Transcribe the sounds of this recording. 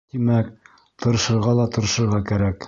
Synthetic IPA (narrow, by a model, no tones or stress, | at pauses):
t̪imæk | t̪ŏɾɤ̆ʃɤ̆ɾʁɑlˠɑt̪ŏɾɤ̆ʃɤ̆ɾʁɑkæɾæk